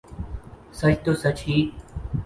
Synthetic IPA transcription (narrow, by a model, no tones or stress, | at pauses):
sət͡ʃʰt̪oːsət͡ʃiː